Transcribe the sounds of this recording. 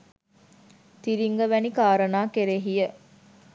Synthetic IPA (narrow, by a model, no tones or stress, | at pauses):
t̪iɾiŋɡəʋænikaːɾənaːkeɾeɦijə